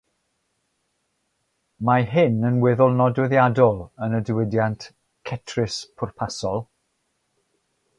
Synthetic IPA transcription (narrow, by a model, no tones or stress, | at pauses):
maɦɪnənwɛðɔlˠnɔdwɛðjadɔlˠənədɪwɪdjant | kʰɛtʰrɪspʰʊrpʰasɔlˠ